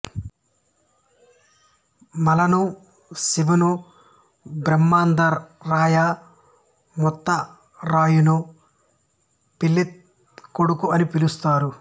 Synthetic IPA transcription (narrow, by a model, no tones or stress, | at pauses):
mɐlɐnu | siʋɐnu | bɾɐmːaːnd̪ɐɾːaːja | mɔt̪ːɐ | ɾaːjunu | pilːit̪̚ | koɽukuɐnipilust̪aːɾu